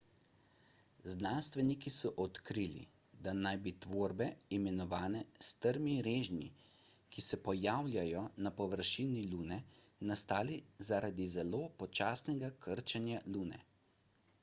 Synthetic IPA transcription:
znanst̪ʋɛnikisɔʔɔt̪kɾilḭ | d̪anajbit̪ʋoːɾbɛimɛnɔʋaːnɛst̪əɾmiɾeːʒni | kisɛpɔjaːwlʲjajɔnapɔʋəɾʃiniluːnɛnast̪aːlizaɾʔad̪izɛloːpɔt͡ʃaːsnɛɡakʰəɾt͡ʃɛnjaluːnɛ̰

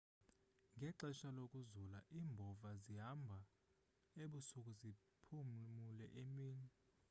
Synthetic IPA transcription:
ŋɡʱɛǃɛʃalokʼuzulaʔiːmbʱɔvaziɦambʱa | eɓusukʼuzi | pʰummulɛ̰ʔemiːni

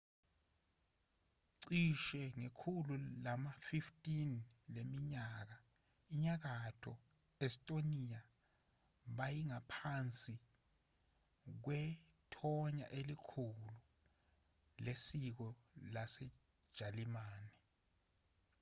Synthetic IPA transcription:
ǀiʃɛŋekʰululamafiftʼinlemiɲaːk̬a | iɲak̬atʰɔ | ɛstʼonija | ɓajiŋapʰant͡sʼi | k̬wɛ | tʰɔɲa̰ʔelikʰulu | lesik̬ɔ | lasɛ̥ | ʒ̥ʱalimaːni

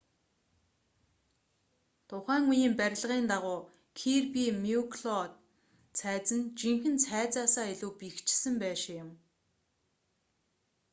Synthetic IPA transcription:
t̪ʰʊχæːŋujiːmpæɾ̆ʲɮ̆ʁiːnt̪aʁʊː | kʰirpimiukʰɮɔt̪ | t͡sʰæːt͡sɘ̆nt͡ɕiŋxɘ̆nt͡sʰæːt͡saːsaːiɮuːpikt͡ɕɪsɘ̆mpæːʃɪɪ̆m

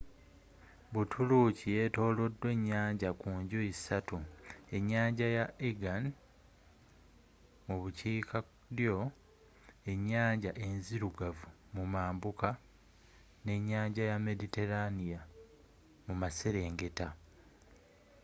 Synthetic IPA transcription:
βutʰulucije̞to̞ːlo̞dːwe̞ɲːaːɲɟakuːɲɟoisatue̞ɲːaːɲɟajaeɡan | muβuciːkʰa | ɾjo̞ | e̞ɲːaːɲɟaʔe̞nziɾuɡavu | mumaːmbuka | ne̞ɲːaːɲɟajame̞dite̞ɾanija | mumaseɾe̞ːŋɡe̞ta

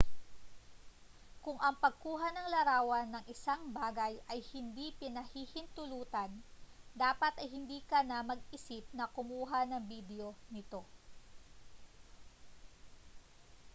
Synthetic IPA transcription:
kʊŋʔɐŋpɐɡ̚kuːɦanɐŋlɐɾaːwɐnːɐŋʔɪsaŋbaːɡɐjʔɐjhɪnd̪ipɪnɐhihɪnt̪ʊluːt̪ɐnd̪aːpɐt̪ɐjɦɪnd̪iːkɐnɐmɐɡ̚ɪsip̚nɐkʊmuːɦanɐŋbid̪ɛo̞nɪt̪o̞

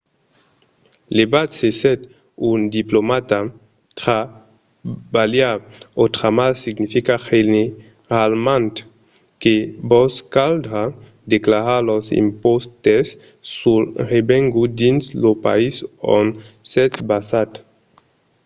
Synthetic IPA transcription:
lebat̪sesɛt̪ | und̪iplomat̪a | t̪ʁa | baljaot̪ʁamalsiɡnifikaχene | ʁalmãnt̪ | kebɔskaldʁa | d̪eklaʁalosḭmpost̪esː | ulʁebɛ̃ŋɡud̪inslopa̰iso̰nsɛt̪basat̪

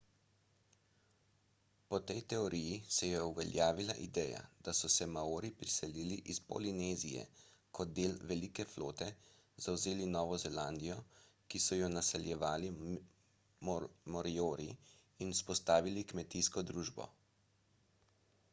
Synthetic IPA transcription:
pɔt̪ɛjt̪ɛɔɾijisɛjɛuʋɛ̰lʲjaːʋila̰ʔid̪ɛːja̰d̪̥asɔsɛmaoːɾipɾisɛliliʔispɔ̰lineːzijɛ̰kʰɔd̪̚d̪eːlʋɛlikɛflo̰ːt̪ɛ | zawzeːlinɔːʋɔzɛland̪ijɔ | kisɔjɔnasɛljɛʋaːli | mmɔɾioːɾi | inuspɔst̪aːʋilikmɛt̪iskɔd̪ɾuːʒbɔ̰

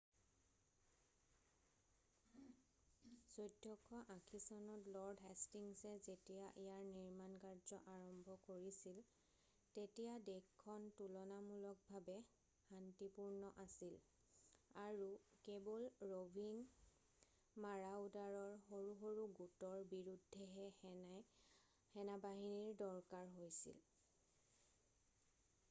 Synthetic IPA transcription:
z̥ojdʱːɔkʰːɔʔãkʰisɔnɔtlɔɹdɦɛstiŋsɛzetijaʔijaɹniɹmankaɹzɔʔaɹɔmbʱɔkoɹisil | tetijadexkʰːɔntulɔnamulɔk̚bʱabɛ | hantipuɹnɔʔasil | aɹukebɔlɹobʱiŋ | maɹaudaɹɔɹxoɹuɦoɹuɡutɔɹbiɹudʱːɛɦɛ | hɛnabaɦiniɹdɔɹkaɹɦojsḭl

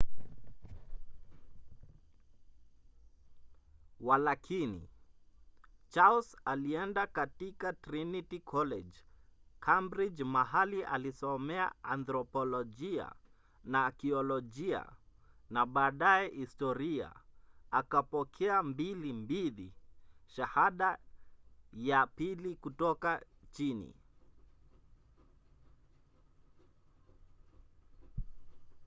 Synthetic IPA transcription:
walakʰinḭ | t͡ʃalsaliɛndakatikatɾinitikʰɔlɛd͡ʒkʰambɾid͡ʒmaɦaliʔa̰lisɔmɛa̰anθɾɔpɔlɔʄia̰ | nakiɔlɔʄia̰ | naɓaːɗajɛhistɔɾia̰akapɔkʰɛambilimbiliʃahaɗa | japilikutɔkat͡ʃinḭ

